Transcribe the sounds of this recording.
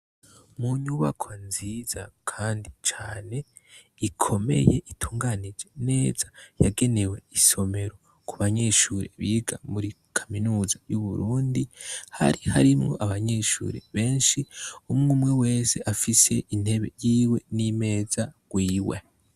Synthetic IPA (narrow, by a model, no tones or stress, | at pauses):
muɲuβa̰kʰonziz̥akʰaːndit͡ʃaːne̞ | ikʰo̞me̞̰je̞ʔitʰuːŋɡanid͡ʒe̞ne̞ːz̥aja̰ɡe̞ne̞we̞iso̞me̞ɾo̞ | kʰuβaɲe̞ʃuːɾḛβiːɡamuɾi | kʰaminuːzajuβuɾuːndiha̰ɾihaɾimŋo̞̰ʔaβaɲe̞ʃṵːɾeβe̞ːnʃiumŋumŋewe̞ːse̞ʔafise̞ʔin̥he̞βe̞̰jiːwe̞nime̞ːzaɡ̥wiːwḛ